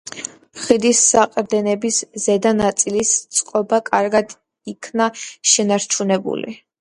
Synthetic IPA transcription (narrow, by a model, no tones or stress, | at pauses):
χid̪isːaqʼɾd̪ɛnɛbiszɛd̪anat̪sʼilist̪sʼqʼɔbakʼaɾɡad̪ | ikʰnaʃɛnaɾt͡ʃʰunɛbṵlḭ